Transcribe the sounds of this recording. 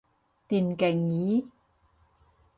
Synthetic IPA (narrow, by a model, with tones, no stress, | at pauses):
t̪iː˨˩nke˨˩ŋjiː˨˥˦